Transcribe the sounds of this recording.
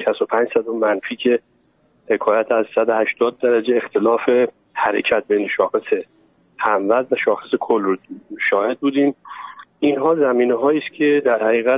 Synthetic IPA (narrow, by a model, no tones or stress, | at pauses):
ʃæst̪opʰæːnd͡ʒsæd̪omænfiːcʰe̞ | he̞kʰɒːjæt̪ʰæzsæd̪ohæʃt̪ɒːd̪̚ːæɾæd͡ʒe̞ːxt̪ʰe̞lɒːfe̞ | hæɾe̞̰cʰæt̪̚bejneʃɒːxese̞ | hæmvæzvæʃɒːxesekʰolʃɒːhe̞d̪̚buːd̪iːm | inɦɒːzæmiːneɦɒːiːscʲʰe̞d̪æɾhæɣiːɣæ